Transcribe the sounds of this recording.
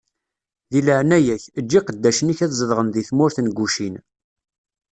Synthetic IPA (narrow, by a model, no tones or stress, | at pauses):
ðiləʕnæjæçəd͡ʒːiqəd̪ːæʃəniçæðzˤəðʁənðiθmʊɾθənɡʷːuʃin